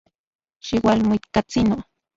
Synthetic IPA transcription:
ʃiwalmoit̪kat͡sino

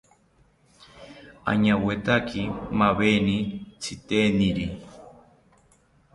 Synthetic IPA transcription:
a̰ɲawet̪akimaβenit͡sʰit̪eniɾi

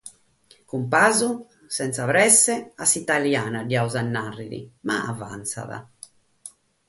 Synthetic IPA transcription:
kumpaːzu | sɛnt̪savɾɛsːɛasːit̪aljaːnadiauzanːarːiɾḭma̰ava̰nt̪sa̰ða̰

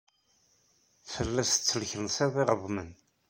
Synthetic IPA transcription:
fəlːæst͡sːəlçɾənsˤeðˤɪʁəðˤmən

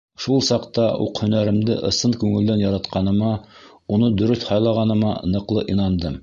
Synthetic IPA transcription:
ʃulˠsɑqt̪ɑṵqhɵ̆næɾɘ̆md̪ɘʔɤ̆sɤnkʉŋɘ̆ld̪ænjɑɾɑt̪qɑnɤ̆mɑ | unɤd̪ɵ̆ɾɵθhɑjlˠɑʁɑnɤ̆mɑ̰nɤ̆qlˠɤʔinɑnd̪ɤm

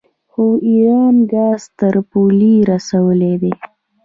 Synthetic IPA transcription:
xoiɾɑnɡɑːzt̪əɾpuliɾasawəled̪e

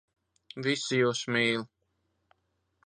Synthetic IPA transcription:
visijuːsmiːl

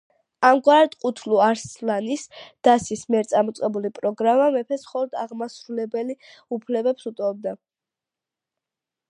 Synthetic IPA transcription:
amɡwaɾat̪qʼut̪ʰluaɾslanisd̪̥asismiɛɾt̪sʼamɔt̪sʼqʼɛbulipʼɾɔɡɾamamɛpʰɛsmχɔlˠɔd̪aʁmasɾulɛbɛli | upʰlɛbɛpsut̪ʼɔb̚d̪a

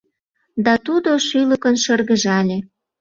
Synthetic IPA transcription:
d̪ɑt̪ud̪oʃyləkənʃərɣə̆ʒɑlʲe

